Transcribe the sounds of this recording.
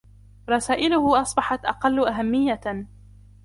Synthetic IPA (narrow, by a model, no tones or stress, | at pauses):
ɾˤɑsaːʔɪlʊhʊʔɑsˤbɑħɑt̪ʔɑ̰qɑlːʊʔaɦamːɪjːa